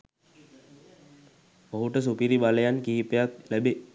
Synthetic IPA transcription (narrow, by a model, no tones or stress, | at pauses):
boɦuʈəs̬upiɾibaləjankiːipəjaklæbe